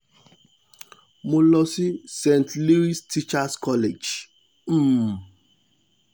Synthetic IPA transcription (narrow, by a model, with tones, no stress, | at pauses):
mo˨lɔ˨si˦sẽ˨ntli˦ɾi˦sti˦t͡ʃa˦skɔ˦le˨d͡ʒ̩˦